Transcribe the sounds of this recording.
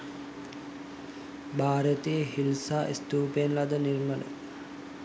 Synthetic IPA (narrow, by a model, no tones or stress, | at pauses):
baːɾət̪eəɦilsaːʔist̪uːpenlad̪ənirmənə̰